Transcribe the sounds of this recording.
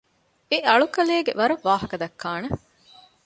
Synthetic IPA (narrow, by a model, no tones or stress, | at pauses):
eʔɐɭukɐleːɡeʋɐɾɐʋːaːɦɐkɐd̪ɐkʰːaːne